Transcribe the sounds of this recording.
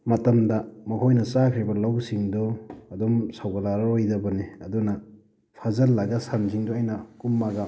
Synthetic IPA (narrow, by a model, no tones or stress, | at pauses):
mɐtɐmdɐmɐkʰojnɐt͡ʃakʰɾibɐlɐwsiŋdɔɐdomsawɡɐlaɾɐɾojdɐbɐniɐdunɐ | pʰazɐlːaɡɐsansiŋdoajnɐkumːaɡɐ